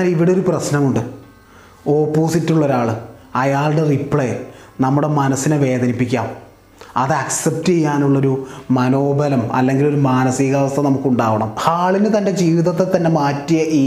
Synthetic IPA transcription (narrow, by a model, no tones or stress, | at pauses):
liʋiɽeoɾuprɐɕnɐmuɳɖɨ | o̞ːpːo̞ːsitːuɭːo̞ɾaːɭɨ | ɐjaːɭɽeripːɭenɐmːuɽe̞mɐnɐsːineʋe̞ːd̪ɐnipːikʲːa̰ːm | ɐðɨɐksep̚tt͡ɕejːaːnuɭːɐo̞ɾumɐno̞ːbɐlɐmɐ̰lːe̞ŋɡilo̞ɾumaːnɐsiːɣaɐsɐnɐmukːuɳɖaːʋɐɳɐmaːɭinɨt̪ɐnde̞d͡ʑiːʋiðɐt̪ːet̪ːɐnːe̞maːtːijɐʔiː